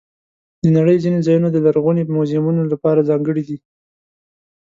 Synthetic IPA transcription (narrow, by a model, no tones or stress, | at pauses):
d̪ənaɽəjzinezɑjunod̪əlaɾɣunemozɪmunolapɑɾazɑŋɡəɽid̪i